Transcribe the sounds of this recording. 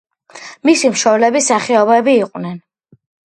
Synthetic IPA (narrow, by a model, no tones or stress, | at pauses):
misimʃɔblɛbisaχɛɔbɛbiːqʼwnɛn